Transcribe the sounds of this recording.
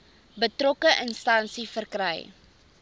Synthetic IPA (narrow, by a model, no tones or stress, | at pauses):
bətrɔkəʔənstɐnsifərkrəj